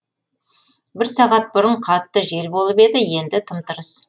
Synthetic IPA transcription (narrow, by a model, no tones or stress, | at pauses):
bɪɾsɑʁɑt̪̚bʊɾəɴqʰɑt̪ːəʒe̞lbo̞lˠəpe̞d̪ɪje̞nd̪ɪt̪ʰəmt̪əɾəs